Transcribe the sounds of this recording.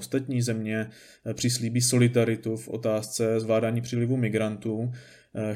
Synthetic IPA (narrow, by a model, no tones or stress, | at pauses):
st̪at̪ɲiːzɛmɲɛ | pr̝̥ɪsliːbiːso̞lɪdaɾɪt̪ufʔo̞̰t̪aːst͡sɛzvlaːdaːɲiːpr̝̥ilɪvumɪɡɾant̪uː